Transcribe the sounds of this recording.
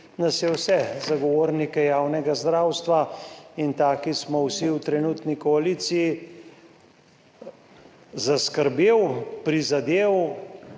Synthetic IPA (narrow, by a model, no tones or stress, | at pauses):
nasjɛwsɛzaɡɔʋoːɾnikɛjaːwnɛɡazd̪ɾaːwst̪ʋaint̪aːkismɔwsiwt̪ɾɛnuːt̪nikɔaliːt̪siji | zaskəɾbeːwpɾizad̪eːw